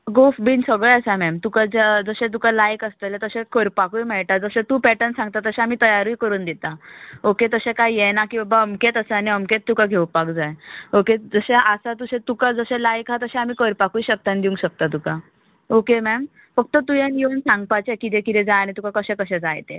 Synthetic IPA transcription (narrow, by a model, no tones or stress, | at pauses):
ɡofbiːnsəɡɭeəsamɛmt̪ukad͡ʑad͡zəɕɛ̃t̪̬ukalajkəst̪əlet̪əɕɛ̃kəɾpakujmɛɭʈ̪ad͡zəɕɛ̃t̪uːpɛʈənsãŋɡ̚t̪at̪ːəɕɛ̃amiːt̪əjaɾuikəɾuːnd̪it̪aoket̪əsɛ̃kajjɛnakiːbəbaəmket̪əsəaniəmket̪ːukaɡʱewpakd͡zajoked͡zəɕeʔasat̪usẽt̪ukad͡zəɕɛ̃lajkɦat̪əɕɛ̃amiːkəɾpakujɕək̚t̪and̪iuŋɕək̚t̪at̪̬uka | okemɛm | fək̚t̪ət̪ujenjiənsãŋɡ̚pat͡ɕekit̪ɛ̃kit̪ɛd͡zaaɽ̃it̪ukakəɕɛ̃kəɕɛd͡zajt̪e